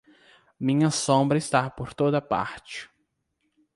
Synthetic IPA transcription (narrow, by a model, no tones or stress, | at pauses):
mĩɲɐsõbɾɐɪst̪apoɾt̪od̪ɐpa̰ɾt͡ʃɪ̥